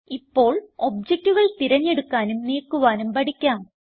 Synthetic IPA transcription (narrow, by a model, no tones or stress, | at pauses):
ipːo̞ːɭo̞b̚d͡ʑek̚ʈːuʋɐɭt̪iɾɐɲːe̞ɽukːaːnumniːkːuʋaːnumpɐɽikʲːaːm